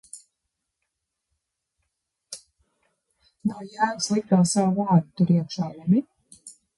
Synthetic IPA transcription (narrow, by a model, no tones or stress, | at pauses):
nawjæːnslˠikk̪aːsawvaːɾt̪uɾiɛkʃaːlumi